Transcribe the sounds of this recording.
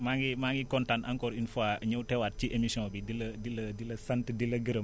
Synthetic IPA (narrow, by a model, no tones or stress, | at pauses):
maːŋɡimaŋɡikɔntanaŋkɔːɾinfaɲɐwtɛwaːt̚t͡ʃiʔemisɔ̃bidilɐdilɐdilɐsɐntdilɐɡəɾə